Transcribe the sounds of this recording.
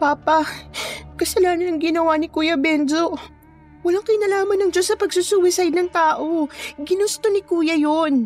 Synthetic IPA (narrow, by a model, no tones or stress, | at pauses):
paːpɐ | kɐsɐlaːnɐnɐŋɡɪnɐwanɪkuːjɐbɛnd͡ʒo | wɐlaŋkɐjnɐlaːmɐnɐŋd͡ʒo̞sɐpɐɡsusuwɪsajd̪̚nɐŋt̪aːʔo̞ɡɪnʊst̪onɪkuːjɐjon